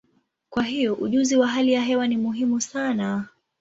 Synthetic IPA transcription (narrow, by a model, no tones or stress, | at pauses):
kwaɦijɔʔuʄuziwaɦalijaɦɛwanimuɦimusana